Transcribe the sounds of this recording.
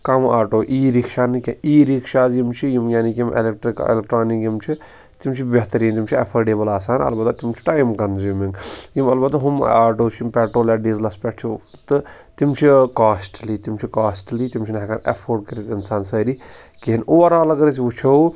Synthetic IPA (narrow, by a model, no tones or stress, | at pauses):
kɐmaːʈoːʔiːɾikʃaːnkʲeiːɾikʰʃaːzjimt͡ʃʰijimjaːnikimḛlek̚ʈɾikḛlek̚ʈɾaːnikjimt͡ʃʰi | t̪imt͡ʃʰibeɦt̪ɐɾiːnt̪imt͡ʃʰiɐ̰pʰɐɖeːbɐlaːsaːnɐ̰lbɐt̪ːt̪imt͡ʃʰi̥ʈaːjmkɐnzjuːmiŋɡjimɐlbɐt̪ːɦumaːʈoːt͡ʃʰimpʲeːʈɾoːlaɖiːzlɐspʲɛʈt͡ʃʰit̪ɨ | t̪imt͡ʃʰikaːsʈliːt̪imt͡ʃʰikaːsʈliːt̪imt͡ʃʰinɐɦkanḛpʰoːɖkɐɾit̪insaːnsəːɾi | kiɦinoːɐɾaːlɐɡɐɾis̬iʋut͡ʃʰow